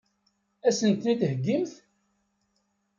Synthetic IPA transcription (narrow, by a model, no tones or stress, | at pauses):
æsənt̪nit̪həɡːimθ